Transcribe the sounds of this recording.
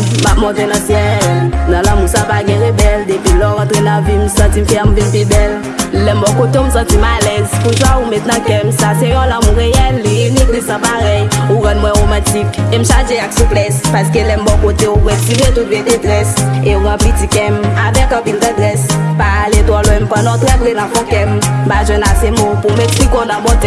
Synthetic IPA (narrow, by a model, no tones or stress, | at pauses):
map̚mɔ̃t̪enɐ̃sjɛnãlãmũsapaɡɛ̃ʁebɛld̪epilɔɣãt̪ʁenãvim̩sãtim̩fɛamũt̪ẽmfibɛl | lɛmbɔkot̪eũm̩sãtimalɛzkũnswaumɛt̪nãkɛ̃msasejɔ̃lãmũʁeɛlnĩklisnãpaʁɛjuʁãnmw̃ɛ̃ʁomãtikem̩sad͡ʒeaksũplɛspaskelɛmbɔkoteupwɛsivet̪̬ut̪̚vetedʁɛseuɣãpitikɛ̃mavɛkãpĩndə̃dʁɛspaalet̪wɔlɔ̃em̩pãnɔ̃tɾɛbʁenãfɔ̃kɛ̃mbaʒwɛ̃nasemopumɛksikonãbɔtɛ